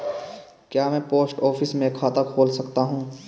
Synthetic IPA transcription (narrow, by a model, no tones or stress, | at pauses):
kjaːmɛ̃ːpoːsʈɔːfʰɪsmẽkʰaːt̪akʰoːlsɐkt̪aɦũː